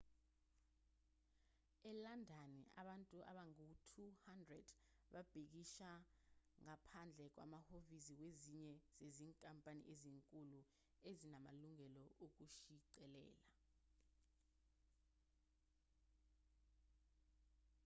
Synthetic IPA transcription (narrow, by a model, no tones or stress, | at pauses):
ɛlandʱania̰ɓantʼuʔa̰ɓaŋutʰuhandrɛd̥ | ɓab̥ʱik̬iʃaŋapʰand͡ɮʱɛk̬wa̰mahovisiweziɲɛz̥eziːŋkʼampʼanḭʔeziŋkʼulu | ezinama̰luŋɛlɔok̬uʃiǀɛlɛ̰ːla